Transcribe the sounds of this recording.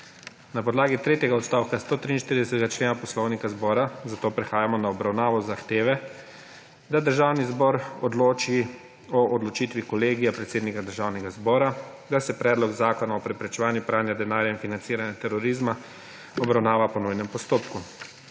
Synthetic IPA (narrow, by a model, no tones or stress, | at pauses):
napɔd̪laːɡit̪ɾeːt̪jɛɡaɔt̪st̪awkast̪oːt̪ɾiːnʃt̪iɾid̪ɛsɛt̪ɛɡat͡ʃleːnapɔslɔwnikazbɔːɾazat̪oːpɾɛxaːjamɔnaɔbɾawnaːʋɔzaxt̪eːʋɛ | d̪ad̪əɾʒaːwnizbɔɾɔd̪loːt͡ʃi | ɔʔːd̪lɔt͡ʃit̪ʋikɔleːɡijapɾɛt̪seːd̪nikad̪əɾʒaːwnɛɡazbɔːɾa | d̪asɛpɾɛːd̪lɔɡzaːkɔnaɔpɾɛpɾɛt͡ʃɛʋaːnjupɾaːnjad̪ɛnaːɾjainfinant̪iːɾanjat̪ɛɾɔɾiːzma | ɔbɾawnaːʋapɔnujnɛmpɔst̪oːpku